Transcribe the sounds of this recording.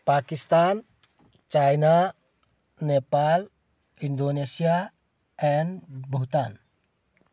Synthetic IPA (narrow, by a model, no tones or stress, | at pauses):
pakist̪an | t͡ʃajna | nepal | ind̪onesia | ɛnbʱuɦt̪an